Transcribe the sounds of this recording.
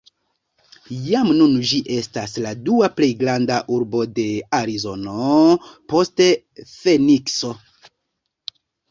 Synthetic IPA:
jamnund͡ʒiʔe̞stasladuaple̞jɡɾandaʔuɾbo̞de̞aɾizo̞no̞po̞ste̞ | fe̞nikso̞

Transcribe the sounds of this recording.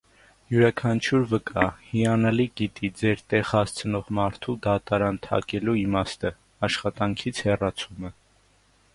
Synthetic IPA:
juɾɑkʰɑnt͡ʃʰuɾvəkɑhiɑnɑliɡit̪id͡zɛɾt̪ɛʁhɑst͡sʰənɔʁmɑɾt̪ʰud̪ɑt̪ɑɾɑnt̪ʰɑ̰kɛluimɑst̪ə | ɑʃχɑt̪ɑŋkʰit͡sʰhɛrɑt͡sʰumə

